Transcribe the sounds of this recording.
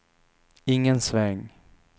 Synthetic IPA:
ɪŋːənsvɛŋ

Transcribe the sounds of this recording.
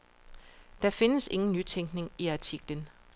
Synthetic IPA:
d̥ɑ̈fe̝nəse̝ŋn̩nyt͡sʰeŋ̰ɡ̥ne̝ŋiɑ̈t͡sʰiɡ̥lən

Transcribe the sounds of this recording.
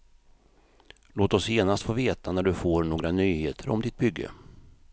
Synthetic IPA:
loːt̪ɔsjeːnast̪foːveːt̪anæɖɵfoːɾɳoːɡɾanyːheːt̪ʰəɾɔ̰md̪ɪt̪̚bʏɡːə̰

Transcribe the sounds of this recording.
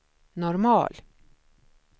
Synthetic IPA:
nɔɾmɑ̰ːl

